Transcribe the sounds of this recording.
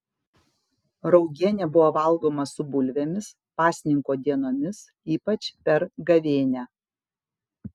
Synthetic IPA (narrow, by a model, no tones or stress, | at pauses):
ɾɔʊɡʲiɛnʲɛbʊʋoːʋɐlˠˑɡoːmɐsʊbʊlʲʋʲɛmʲɪs | pɑːsʲnʲɪŋkoːd̪ʲiɛnoːmʲɪs | iːpɐt͡ʃʲpʲɛɾɡɐʋʲeːnʲæː